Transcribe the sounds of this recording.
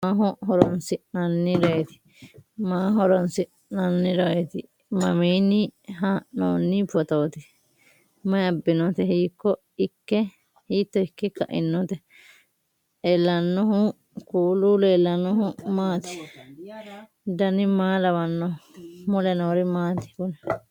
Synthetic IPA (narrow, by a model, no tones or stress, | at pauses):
maːɦʊɦɔɾɔnsɪʔnɐnːɪɾɐɛt̪ɪ̥ | maːɦɔɾɔnsɪʔ | nɐnːɪɾɐɛt̪ɪ | mɐmiːnɪɦaːʔnno̰ːnːɪpɔt̪oːt̪ɪ | mɐjɐbːɪnɔt̪ɛhiːkːɔ | ɪkːɛ | hiːt̪ːɔɪkːɪkɐ̰ʔɪ̰nːɔt̪ɛ | elːɐnːɔɦʊ | kuːluleːlːɐnɔɦʊmaːt̪ɪ̥ | d̪ɐnɪmaːlɐwɐnːɔhʊmʊlɛnoːɾɪmaːt̪ɪ̥kʊnɛ